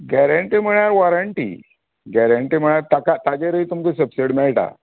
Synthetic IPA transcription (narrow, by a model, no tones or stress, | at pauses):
ɡæɾəɳʈim̤əɭjaɾʋɔɾəɳʈḭ | ɡæɾəɳʈim̤əɳjaɾt̪akat̪ad͡ʑeɾəit̪umkəsəpseɽmɛɭʈa̰